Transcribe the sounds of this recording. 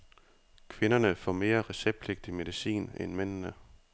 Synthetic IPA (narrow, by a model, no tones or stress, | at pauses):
kʰʋe̝nɐnəfɒme̝̰ːɐʁɛseb̥le̝ɡ̥̚d̥ime̝ðisḭːnḛnmen̰nə